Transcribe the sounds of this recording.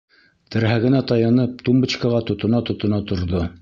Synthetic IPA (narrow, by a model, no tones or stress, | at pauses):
t̪ɘ̆ɾɦæɡɘ̆næt̪ɑjɑnɤp̚t̪umbɘ̆t͡ɕkɑʁɑt̪ŏt̪ŏnɑt̪ŏt̪ŏnɑt̪ŏɾðo